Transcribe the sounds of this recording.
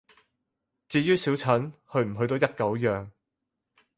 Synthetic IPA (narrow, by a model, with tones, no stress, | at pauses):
t͡siː˧jyː˥si˨˥wt͡sʰɐ˨˥nhɵ˧ɥm̩˨˩ɦɵ˧ɥt̪o˧wjɐ˥t̚kɐ˨˥wjœː˨ŋ